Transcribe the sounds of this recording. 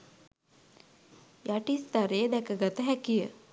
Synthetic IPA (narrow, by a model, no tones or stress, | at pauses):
jaʈist̪aɾeəd̪ɛkəɡat̪əɦækijə